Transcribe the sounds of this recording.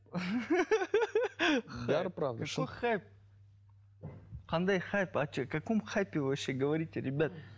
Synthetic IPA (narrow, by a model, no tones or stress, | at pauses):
xd̪aɾpɾavk̪ɐkojxajp̚ | qɐnd̪ajxajpat͡ʃkɐkomxajpʲɪvɨvɐɕːeɡəvɐɾʲitʲɪɾʲɪbʲat̪